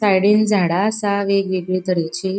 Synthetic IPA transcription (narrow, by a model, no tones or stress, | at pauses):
sajɽend͡zʱaɽaːsaʋeɡʋeɡɭiːt̪əɽet͡ɕe